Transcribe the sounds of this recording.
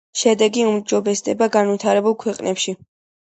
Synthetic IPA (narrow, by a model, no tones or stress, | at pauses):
ʃɛd̪ɛɡiumd͡ʒɔbɛsd̪ɛbaɡanvit̪ʰaɾɛbulˠkʰwɛqʼnɛpʃi